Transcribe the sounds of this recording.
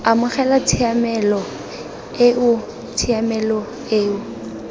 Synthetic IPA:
amʊχɛlat͡sʰiamɛlɔ | eʊ | t͡sʰiamɛlɔ | eːʊ

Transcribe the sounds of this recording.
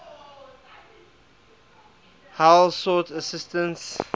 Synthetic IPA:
hawlsɔtəsɪstə̃ns

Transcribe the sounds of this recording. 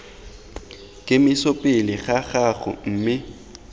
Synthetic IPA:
kʼɪmɪsopʼɪlɪɣaɣaɣʊ̰m̩ːmɪ

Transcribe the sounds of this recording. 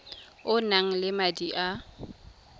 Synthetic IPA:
ʊnaŋ̩lɪmadiʔa

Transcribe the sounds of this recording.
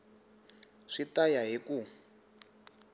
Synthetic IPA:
ʂitajaɦiku

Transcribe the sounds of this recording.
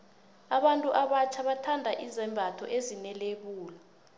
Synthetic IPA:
aɓantʼuʔaɓat͡ʃʰaɓatʰandʱaʔizɛmbʱatʰɔ̰ʔezinɛlek̬uːla

